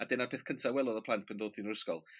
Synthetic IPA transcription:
adɛːnapʰeːθkʰəntʰawɛlˠɔðəpʰlˠantpʰəndoːdθinəɾəskɔlˠ

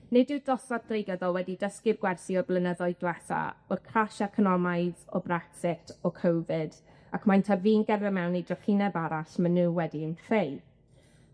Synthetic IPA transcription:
nɪdɨdɔθad̥rejɡəðɔlˠwɛdidəskɪrɡwɛrsiɔblˠənəðɔɨɡlɛθa̰ɔrkʰraʃakʰənɔmajðɔ̰braksɪtʰɔkʰowvɪd | akʰmajntʰaviːnɡɛrvɛmɛwnejdrəχinɛbaɾasmənuːwɛdiənθej

